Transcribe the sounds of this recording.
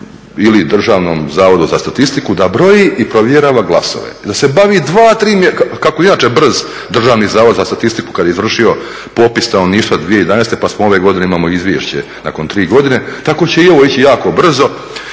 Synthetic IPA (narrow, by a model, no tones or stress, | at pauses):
ilid̪r̩ʒaːʋnomzaːʋo̞d̪uzast̪at̪ist̪ikud̪abɾo̞jiʔipɾoʋjeɾaːʋaɡlˠa̰so̰ʋḛd̪ase̞baʋid̪ʋaːt̪ɾiːmjeakakoinaːt͡ʃe̞br̩z | d̪r̩ʒaːʋnizaːʋod̪zast̪at̪ist̪iku̥kad̪ajeizʋr̩ʂʃio̞ | po̞pist̪aoniːʃt̪ad̪ʋiejed̪aneːst̪e̞pasmoo̞ʋe̞ɡo̞d̪ineimaːmo̞izʋʲjḛʃt͡ɕe | na̰ko̞nt̪ɾiːɡo̞d̪ine̞t̪ako̞t͡ɕe̞io̞ʋo̞it͡ɕijaːkobr̩zo̞